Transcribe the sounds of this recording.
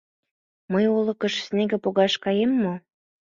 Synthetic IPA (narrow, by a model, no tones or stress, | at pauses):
məjulɤ̆kə̆ʃsneɣĕpoɣɑʃkɑjemːo